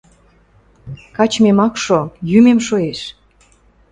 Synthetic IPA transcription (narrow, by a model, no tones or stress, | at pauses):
kɑt͡ɕmemɑkʃojymemʃoeʃ